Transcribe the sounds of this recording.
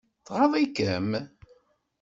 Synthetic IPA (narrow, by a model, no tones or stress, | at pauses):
θʁəðˤikəm